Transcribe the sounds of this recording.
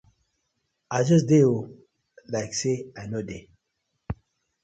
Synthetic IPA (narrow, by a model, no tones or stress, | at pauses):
aɪd͡ʒʌs̬deo | laɪkseaɪnode